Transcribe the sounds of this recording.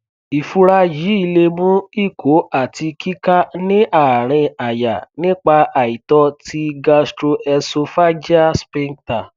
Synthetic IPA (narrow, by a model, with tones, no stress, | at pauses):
i˨fu˧ɾa˧ji˨˦i˦˧le˧mũ˦i˦˨ko˨˦a˦˨ti˧kʰi˦ka˦nĩ˦ʔa˦˨ɾ̃ĩ˧a˨ja̰˨nĩ˦k͡pa˧ʔa˨i˨tɔ˧ti˧ɡa˧stɾo˧ʔɛ˧so˧fa˦d͡ʒa˦spĩ˧ŋta˨